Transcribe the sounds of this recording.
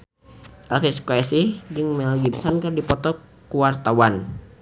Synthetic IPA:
ʔɛlfiskoɛsihd͡ʒɨŋmɛlɡibsankərdipɔt̪ɔ | kuwart̪awan

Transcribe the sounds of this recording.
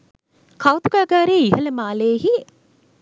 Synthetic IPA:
kʰawt̪uɡaːɡaːɾeːiɦələmaːleɦi

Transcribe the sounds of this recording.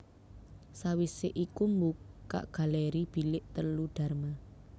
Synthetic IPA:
sawiseʔikumbukːa̰ʔɡ̥a̤lɛɾib̥i̤lɪʔt̪əluɖ̪̥a̤rma

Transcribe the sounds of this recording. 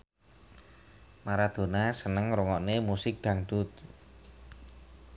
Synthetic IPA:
maɾad̪̥o̤nasənəŋɾuŋɔʔnemusɪk̚d̪̥a̤ŋd̪̥ʊt̪̚

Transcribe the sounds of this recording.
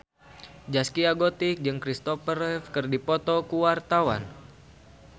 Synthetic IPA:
d͡ʒaskiaɡot̪ik̚d͡ʒɨŋkɾist̪ɔpərɛfkɨrdipɔt̪ɔkuwart̪awa̰n

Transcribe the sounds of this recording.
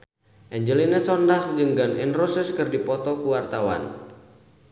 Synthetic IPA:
ʔɛɲd͡ʒəlinəsɔndahd͡ʒɨŋɡaninrɔsəskɨrdipɔt̪ɔkuwart̪awa̰n

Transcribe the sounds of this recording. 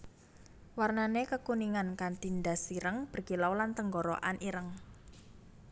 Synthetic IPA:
warnanekəkuniŋankant̪ind̪asiɾəŋb̥ərkilawlant̪əŋɡoɾɔ̰ʔanʔiɾəŋ

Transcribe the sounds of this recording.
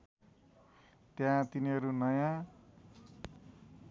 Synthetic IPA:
t̪jãt̪iniɦʌɾunʌjã

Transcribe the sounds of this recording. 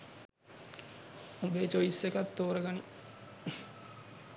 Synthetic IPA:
ubet͡ʃoisːekɐt̪ːoːɾɐɡɐni

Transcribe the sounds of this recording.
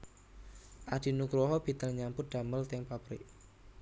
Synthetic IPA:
ʔad̥i̤nukɾɔɦɔb̥i̤t̪əlɲampʊt̪̚d̪̥a̤məlt̪ɪŋpapɾɪ̰ʔ

